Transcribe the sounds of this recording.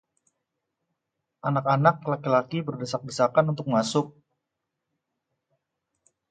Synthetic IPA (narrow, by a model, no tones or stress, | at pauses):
ʔanakanak̚lakilakibərdəsak̚bisakanunt̪ʊk̚masʊk̚